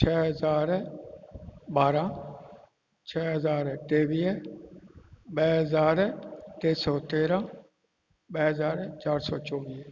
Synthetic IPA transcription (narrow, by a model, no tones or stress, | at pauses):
t͡ʃʰɛːɦəzaːɾ | baːɾãː | t͡ʃʰɛːɦəzaːɾʈeːʋiː | ɓɛːɦəzaːɾʈeːsɔːt̪eːɾãː | ɓɛːɦəzaːɾt͡ʃaːɾsɔːt͡ʃɔ̃ːʋiː